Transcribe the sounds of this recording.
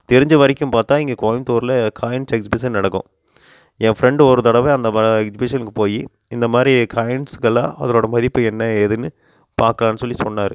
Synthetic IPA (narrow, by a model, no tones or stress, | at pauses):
t̪ɛɾɪɲd͡ʒɐʋɐɾɪkʲːɯmpaːɾt̪aːɪŋɡeːkoːjɪmt̪oːɾlɐkaːjɐɳsɛksɪbɪs̬ɐnɐɽɐkːʊ̰̃ | ɛ̃ːfɾɛɳɖɔɾɯt̪ɐɽɐʋeɐnd̪ɐmɐɛksɪbɪʂɐnɯkːɯpoːji | ɪnd̪ɐmaːd̪ɾikaːjɛɳʈskɐlã̰ːɐ̰ðɐɾoːɽɐmɐðɪpːɯɛnːɐɛðɯnːɯ | paːɾkɐlaːnːɯsɔlːisɔnːaːɾɯ